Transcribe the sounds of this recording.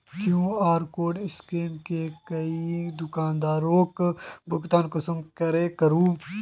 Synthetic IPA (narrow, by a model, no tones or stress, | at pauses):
kjũːaːɾkoːɖɪskeːɳkekɐid̪ʊkaːnd̪aːɾõːkbʊkt̪aːnkʊsəmkɐɾeːkɐɾuː